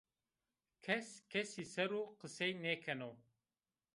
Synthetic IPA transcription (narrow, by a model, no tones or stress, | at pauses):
kʰɛskʰɛsiːsɛɾuqɨsejneːkʰɛnow